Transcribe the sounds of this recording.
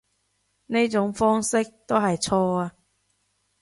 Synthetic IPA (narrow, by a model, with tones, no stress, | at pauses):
ne˥jt͡sʊ˨˥ŋfɔː˥ŋsɪ˥k̚t̪o˥wɦɐ˨jt͡sʰɔː˧aː˧